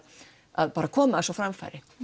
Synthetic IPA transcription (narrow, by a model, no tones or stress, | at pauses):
a̰ðpaːɾakʰɔːmaasɔfɾamfa̰ɾɪ